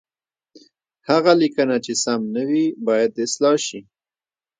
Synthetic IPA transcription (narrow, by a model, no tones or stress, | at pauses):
haɣalikənat͡ʃesamnawibɑjad̪ɪslɑʃi